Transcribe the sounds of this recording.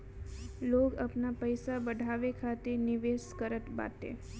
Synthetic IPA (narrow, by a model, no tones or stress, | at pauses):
lokapnapəjsabəɖʱaʋekʰat̪eniʋeskəɾət̪ba̰t̪ḛ